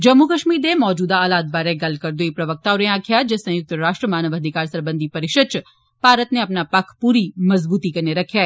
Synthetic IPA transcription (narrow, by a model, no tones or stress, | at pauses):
d͡ʒɐmːukəʃmiːɾd̪emɔːd͡ʒuːd̪aːlaːd̪̚baːɾeɡɐlkəɾd̪uipɾɐʋək̚t̪aːʊɾẽaːkʰjad͡ʒesɐ̃jʊk̚t̪ɾaːʃʈɾəmaːnəʋɐd̪ʱikaːɾsɐɾbə̃nd̪ʱipɐɾɪʃət̪t͡ʃ | paːɾət̪neɐpnapakʰpuːɾimɐzbuːt̪ikɐɾneɾɐkʰja